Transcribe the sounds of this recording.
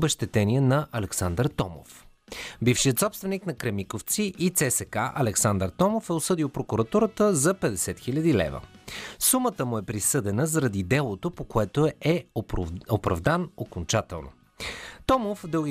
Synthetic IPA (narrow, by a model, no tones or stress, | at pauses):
bɛʃt̪ɛt̪ɛniɛnɐʔɐlɛksand̪əɾt̪ɔmo̰f | bifʃiət̪sɔpst̪vɛniknɐkɾɛmikoft̪siʔit̪sɛsɛkaʔɐ̰lɛksand̪əɾt̪ɔmofɛosɤd̪iwˠpɾokuɾɐt̪uɾət̪əzɐpɛd̪ɛsɛt̪xilʲɐd̪ilɛ̰və̰sumət̪əmʊɛpɾisɤd̪ɛnəzɐɾɐd̪id̪ɛlˠot̪opokoɛt̪oɛ | opɾɐ̰vd̪anokont͡ʃat̪ɛlˠno̰ | t̪ɔmofd̪ɤlˠɡʲi